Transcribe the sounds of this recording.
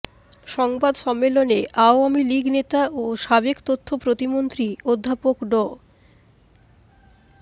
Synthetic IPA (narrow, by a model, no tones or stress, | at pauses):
ʃɔŋbad̪ʃɔmːeloneʔaoamiliɡnet̪aʔoʃabekt̪ot̪ʰːopɾot̪imont̪ɾiod̪ʱːapokɖɔ